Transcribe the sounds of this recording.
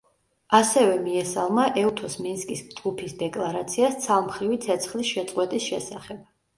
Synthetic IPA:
asɛvɛmiɛsalˠmaʔɛut̪ʰɔsminskʼisd͡ʒɡupʰisd̪ɛkʼlˠaɾat̪sʰiast̪sʰalˠmχɾivit̪sʰɛt̪sʰχlisʃɛt̪sʼqʼwɛt̪ʼisʃɛsaχɛb̥̚

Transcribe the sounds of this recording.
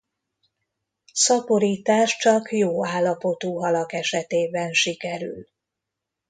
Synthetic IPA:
sɒpo̞ɾiːt̪aːʃt͡ʃɒkjoːaːlːɒpo̞t̪uːɦɒlɒkɛʃɛt̪eːbɛnʃikɛɾy̰l

